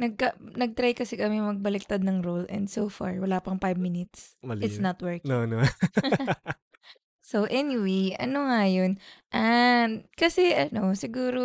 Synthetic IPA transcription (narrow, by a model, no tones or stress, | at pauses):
nɐɡ̚kɐnɐɡ̚t̪ɾajkɐsɛkɐmɛmɐɡ̚bɐlɪk̚t̪ad̪̚nɐŋɾolɛ̰̃nd̪sofa̰ɹwɐlaːpɐŋpajbmɪnɪt̪sɪsnɐt̪wɛɹkon | soʔɛnɪwejʔɐ̰noŋajonʔɐkɐsɛʔɐno̞sɪɡuːɾo